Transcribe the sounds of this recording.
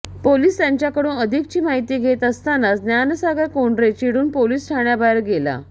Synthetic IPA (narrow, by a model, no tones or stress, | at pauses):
poliːst̪jaɲt͡ɕjakəɽuːnəd̪ʱik̚t͡ɕiːmaɦit̪iːɡʱet̪əst̪anasd̪janəsaɡəkoɳɖɾet͡ɕiɽuːnpoliːsʈʰaɳjabaəɾɡela̰